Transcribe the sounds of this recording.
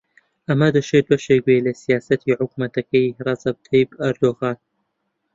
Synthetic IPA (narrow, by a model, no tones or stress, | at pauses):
ʔɐmɐd̪ɐʃet̪̚bɐʃeːk̚welɐsijaːsɐt̪ʰiʕʊkmɐt̪ɐkɐjrˤɐzɐb̚t̪ʰɐjbɐɾd̪oːɣaːn